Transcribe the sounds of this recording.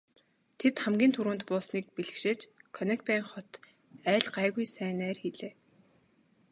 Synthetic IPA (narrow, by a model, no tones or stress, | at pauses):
t̪ʰet̪χæmɡʲiːnt̪ʰuɾuːnt̪pʊːsniːk̚piɮɘ̆kʃɪ̆t͡ɕkʰɔnek̪pæ̆ːŋχɔt̪ | æːɮɢaːɣujsæːnæːrxiɮeː